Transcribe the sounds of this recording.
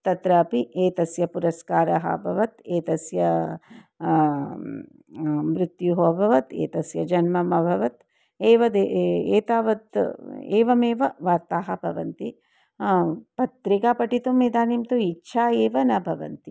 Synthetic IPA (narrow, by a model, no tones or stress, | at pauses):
t̪ɐt̪ɾɐːpieːt̪ɐsjɐpuɾɐskaːɾɐɦɐ̰bʱɐʋɐt̪eːt̪ɐsjɐ | mɾɪt̪juɦoːbʱɐʋɐt̪ḛːt̪ɐsjɐd͡ʒɐnmɐmɐbʱɐʋɐt̪ | eːʋɐd̪eeːt̪aːʋɐt̪eːʋɐmeːʋɐʋaːɾt̪aːɦɐ̆bʱɐʋɐnt̪i | pɐt̪ɾikaːpɐʈit̪umeːd̪aːniːmt̪uitːʃʰaːeːʋɐnɐbʱɐʋɐ̰nt̪i